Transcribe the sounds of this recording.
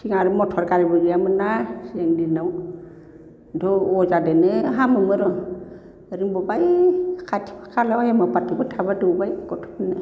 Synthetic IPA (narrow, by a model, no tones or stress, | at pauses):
tʰiŋaɾumɔtʰɔɾkaɹibɔzijamɯnasiɛŋdinaw | dʱɔɔzadɛnɯɦamɯmɯɾɔ | ɾimbɔbajkʰatʰi̥pʰḁkʰalɔhɛmapatibɔtʰabadubajkɔtʰɔ̥bnɯ